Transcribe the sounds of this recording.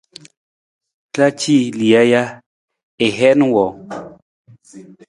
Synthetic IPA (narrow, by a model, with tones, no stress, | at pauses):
kla˦t͡ʃi˦˨li˨a˦ja˦ | e˨ɦɛ˦nũ˦wɔ˨